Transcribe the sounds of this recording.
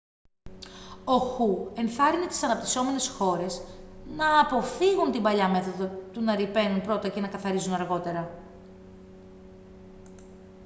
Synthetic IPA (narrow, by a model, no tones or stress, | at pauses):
o̞xue̞nθɐɾinit̪i̥sɐnɐp̚t̪i̥so̞me̞ne̞sxo̞ɾe̞snɐːpo̞fiɣunt̪imbɐʎɐme̞θo̞ðot̪unɐɾipe̞nunpɾo̞t̪ɐce̞nɐkɐθɐɾizunɐɾɣo̞t̪e̞ɾɐ